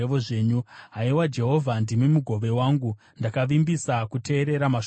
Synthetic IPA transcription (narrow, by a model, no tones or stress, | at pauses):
eʋoʐeːɲuɦaiwad͡ʒe̞ɦo̞vʱandimimuɡʱo̞ʋe̞waːŋɡu | ndakaʋimbisakutʰe̞ːɾe̞ɾama